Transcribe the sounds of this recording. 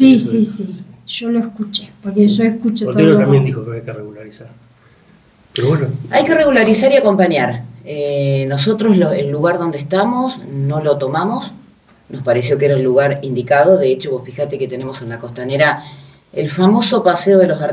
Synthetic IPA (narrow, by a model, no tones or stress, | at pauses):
sisisiʒ̥oloeskut͡ʃepoɾkeʒoeskut͡ʃtooeoambjend̪ixokeajkereɣulaɾisaɾ | peɾoβwenoajke̞reɣulaɾisaɾiako̞mpaɲjaɾeno̞so̞t̪ɾosloelːuɣaɾðo̞nd̪eht̪amo̞sno̞lot̪o̞mamo̞s | no̞spaɾesjo̞keɾaulːuɣaɾind̪ikaðoðeet͡ʃo̞βofixat̪e̞ket̪enemo̞se̞nlako̞st̪aneɾa | elfamo̞so̞paseoð̞e̞los̬a